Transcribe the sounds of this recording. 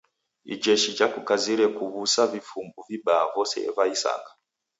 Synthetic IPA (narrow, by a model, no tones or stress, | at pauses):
ḭd͡ʒɛʃit͡ʃakukaziɾɛkuβusavifumbuvibaːvɔsɛ̰vaisa̰kḁ